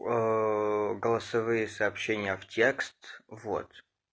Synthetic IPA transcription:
ɡəlˠəsɐvɨjɪsɐːpɕːenʲɪjəftʲekst̪vo̰t̪

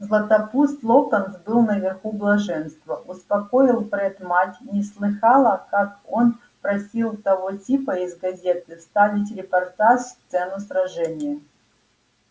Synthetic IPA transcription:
zlˠət̪ɐpust̪lˠokənt̪bɨlˠnəvʲɪrxublˠɐʐɛnst̪vəʔʊspɐko̞ɪlˠpɾɛt̪matʲnʲɪslˠɨxɑlˠəkako̞n | pɾɐsʲilˠt̪ɐvotʲipəizɡɐzʲet̪ɨst̪avʲɪt̬ʲɾʲɪpɐrt̪aʂst̪sɛnʊsɾɐʐɛnʲɪjə

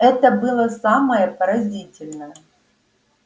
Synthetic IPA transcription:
ɛt̪əbɨlˠəsaməjəpəɾɐzʲitʲɪlʲnəjə

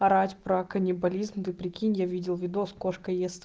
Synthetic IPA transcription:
ɐɾatʲpɾɐkɐnʲɪbɐlʲizmd̪ɨpɾʲɪkʲinʲjavʲidʲɪlˠvʲɪd̪oskoʂkəjest̪

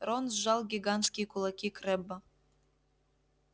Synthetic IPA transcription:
ronzʒɑlˠɡʲiɡant̪skʲikʰulˠakʲikrebːa

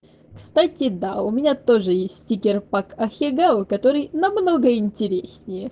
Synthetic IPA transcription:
kst̪atʲɪd̪aʊmʲɪnʲat̪oʐɨjesʲtʲtʲikʲɪrpakɐxʲɪɡalˠkɐt̪oɾɨjnɐmnoɡəɪnʲtʲɪɾʲesʲnʲɪjə

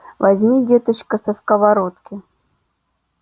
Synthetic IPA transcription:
vazʲmʲidʲet̪ət͡ɕkəsɐskɐvaɾot̪kʲɪ

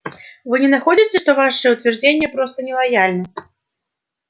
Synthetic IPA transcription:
vɨnʲɛnaxɔd͡zʲit͡sʲɛʂt̪ɔvaʂɨjɛwt̪vʲɛrd͡zʲenʲːɐpɾɔst̪ɐnʲɛlˠajalʲnɨ

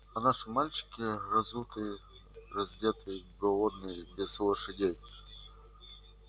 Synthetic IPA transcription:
ɐnaʂɨmːalʲt͡ɕɪ̥kʲɪrɐzut̪ɨj | rɐzʲdʲet̪ɨjɡɔlˠɔd̪nɨjbʲɪz̥lˠəʂɨdʲej

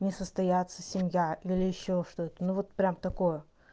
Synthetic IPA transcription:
nʲɪsəst̪ɐjat̪səsʲɪmʲjaʔilʲɪjɪɕːoʂt̪oɛt̪ənuvo̞t̪̚pɾʲamt̪ɐko̞jə

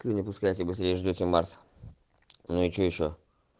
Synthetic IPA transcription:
kʲunʲɪpʊskajtʲɪbɨsʲt̪ɾʲejʐdʲotʲɪmaɾs | nʊɪt͡ɕoɪɕːo

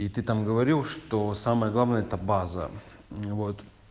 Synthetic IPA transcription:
it̪ɨt̪amɡəvɐɾʲilˠʂt̪osaməjəɡlˠavnəjəɛt̪əbazə̰vot̪

